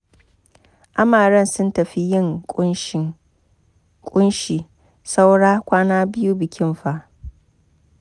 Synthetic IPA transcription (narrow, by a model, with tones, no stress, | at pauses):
ʔa˦maː˨ɾɐ˦nsʊ˦ntɐ˨ɸi˦jɪ˦˨ŋʼ˦ | kʷʼʊ˦nʃiː˨ | sa˦wɽaː˦kʷaː˦naː˦bɪ˦ju˦bɪ˨kʲɪ˦mɸa˦ʔ